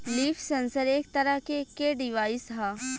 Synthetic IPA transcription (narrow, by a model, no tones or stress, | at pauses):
liːfʰsẽnsəɾeːk̚t̪ɐɾəɦkekeɖɪʋaːɪsɦaː